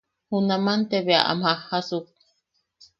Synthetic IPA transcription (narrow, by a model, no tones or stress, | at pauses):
hunamant̪eβea̰ʔa̰mhahasuk̚